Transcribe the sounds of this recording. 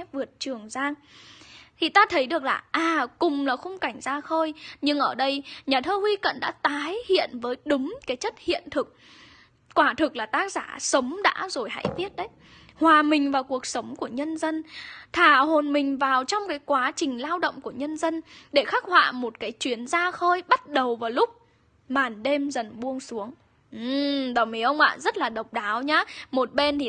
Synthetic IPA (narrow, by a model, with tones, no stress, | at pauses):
vɨ˨˩ət̚t͡ɕɨ˨˩əŋzaː˧ŋ | t̪ʰi˨˩t̪aː˧t̪ʰə˨˦jɗɨ˨˩ək̚laː˨˩ʔaː˨˩kʊ˨˩ŋ͡mlaː˨˩xə˧wŋ͡mka˧˩jŋ̟zaː˧xəː˧jɲɨ˧ŋʔəː˧˩ɗə˧jɲaː˨˩t̪ʰəː˧hwi˧kə̰˧˨nɗa̰ː˧˥t̪aː˨˦jhḭ˧˨ənvəː˨˦jɗʊ˨˦ŋ͡mkaː˨˦jt͡ɕə˦˥t̚hḭ˧˨ənt̪ʰɨ˨˩k̚ | kwaː˧˩t̪ʰɨ˨˩k̚laː˨˩t̪aː˦˥k̚z̥aː˧˩sə˨˦wŋ͡mɗa̰ː˧˥zo˨˩jɦa̰ː˧˥jvi˦˥ət̚ɗə˨˦j | hwaː˨˩mï˨˩ŋ̟vaː˨˩wku˨˩ək̚sə˨˦wŋ͡mku˧˩əɲə˧nzə˧nt̪ʰaː˧˩ho˨˩nmï˨˩ŋ̟vaː˨˩wt͡ɕɔ˧wŋ͡mkaː˨˦jkwaː˨˦t͡ɕï˨˩ŋ̟laː˧wɗə̰˧˨wŋ͡mku˧˩əɲə˧nzə˧nɗe˧˩xaː˦˥k̚hwa̰ː˧˨mo˨˩t̚kaː˨˦jt͡ɕwi˨˦ənzaː˧xəː˧jɓa˦˥t̚ɗə˨˩wvaː˨˩wlʊ˦˥k͡p̚ | maː˨˩nɗe˧mzə˨˩nɓu˧əŋsu˨˦əŋ | ʔɨ˨˩ɗəː˨˩mi˨˦ʔə˧wŋ͡mʔa̰ː˧˨zə˦˥t̚laː˨˩ɗə˨˩wk͡p̚ɗaː˨˦wɲaː˨˦mo˨˩t̚ɓe˧nt̪ʰi˨˩